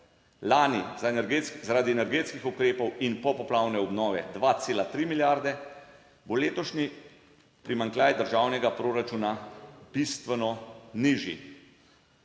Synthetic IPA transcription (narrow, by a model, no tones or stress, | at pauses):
laːnizanɛɾɡzaɾaːd̪iɛnɛɾɡeːt̪skixukɾeːpɔwinpɔpɔplaːwnɛɔbnɔːʋɛd̪ʋat̪seːlat̪ɾimiljaɾd̪ɛ | boleːt̪ɔʃni | pɾimaŋklʲaːjd̪əɾʒaːwnɛɡapɾoːɾat͡ʃunab̥ist̪ʋɛnɔniʒḭ